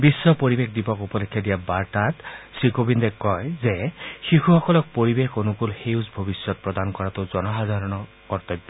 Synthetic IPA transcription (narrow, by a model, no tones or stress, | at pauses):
bisːɔpoɹibexdipɔkupɔlekʰːjadijabaɹtatsɹikobindɛkːɔjzɛxixuxɔkɔlɔk̚poɹibexonʊkulxeusbʱobisːɔt̚pɹɔdankɔɹatʊzɔnɔɦazaɹɔnɔ | kɔɹt̪ɔjbːɔ